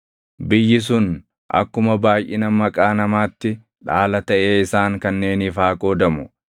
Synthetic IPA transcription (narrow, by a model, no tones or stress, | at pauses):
bɪjːɪs̬ʊn | ʔɐ̰kːʊmɐbaːjʔɪnɐmɐkʼaːnɐmaːt̪ːɪ | ᶑaːlɐt̪ɐʔe̞ːɪsaːŋkɐnːe̞ːnɪfaːkʼo̞ːd̪ɐmʊ